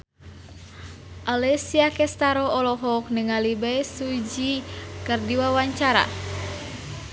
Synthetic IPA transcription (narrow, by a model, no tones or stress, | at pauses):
ʔalɛsiakɛst̪aɾɔɔlɔɦɔk̚nəŋalibajsud͡ʒikərdiwawaɲt͡ʃaɾa̰